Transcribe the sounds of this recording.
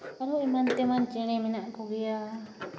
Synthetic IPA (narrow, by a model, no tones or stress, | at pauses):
aɾuimãnt̪emãnt͡ʃiɾẽmĩnãʔkuɡia